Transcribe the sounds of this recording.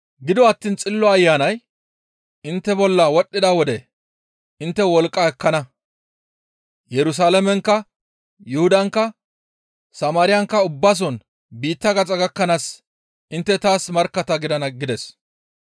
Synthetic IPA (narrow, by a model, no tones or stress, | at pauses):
ɡɪd̪ɔɐt̪ːiːnt͡sʼɪlːɔɐjːaːnɐj | ɪnt̪ːɛbɔlːɐwɔɗːɪd̪aːwɔd̪ɛ | ʔɪnt̪ːɛwɔlkʼːɐɛkːɐnɐ | jɛɾʊs̬aːlɐmɛŋkːɐ | jʊhʊd̪ɐŋkːɐ | sɐmaːɾɪjɐŋkːɐʊbːas̬ɔn | biːt̪ːɐɡɐt͡sʼɐɡɐkːɐnaːs | ʔɪnt̪ːɛt̪aːsmɐɾkːɐt̪ɐɡɪd̪ɐnɐɡɪd̪ɛs